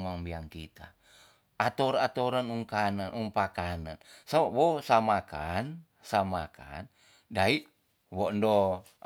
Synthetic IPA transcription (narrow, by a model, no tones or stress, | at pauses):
maŋbiaŋkit̪a | at̪oɾat̪oɾanuŋkananʔuŋpakanansamawosamakan | samaka̰n | daiʔ | wɔndo